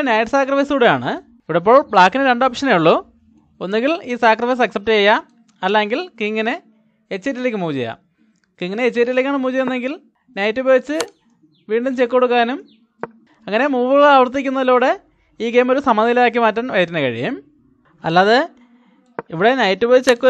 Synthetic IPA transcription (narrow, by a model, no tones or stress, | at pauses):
nɐjʈɨsaːkrɐfɐjsuːɽejaːɳɨ | iʋiɽep̬ːoːɭbɭaːkːinɨɾe̞ɳɖoːpʂɐnejuɭːo | o̞nːeŋɡiliːsaːkrɐfɐjs̬ɐksɐp̚tɨejːa | ɐlːaeŋɡilkiŋːɐne | et͡ɕːeːt̬ːilekʲːɨmuːd͡ʑeja̰ | kiŋːɐneet͡ɕːet̬ːilekʲːaːɳɨmuːd͡ʑejenːeŋɡil | nɐjtːɨboːit͡ɕːɨ | ʋiːɳɖumt͡ɕekːo̞ɽukːaːnum | ɐŋːɐne̞muːbuɣɐɭɭaːʋɐrt̪ːik̬ʲːunːɐðilːuːɽe̞ | iːɡe̞ːmo̞ɾusɐmɐnɐjilaːk̬ːimaːtːanʋɐjɐtːinɐkɐɻḭjɐ̰m | ɐ̰lːaːðe | iʋiɽe̞nɐjtːɨboit͡ɕːekːu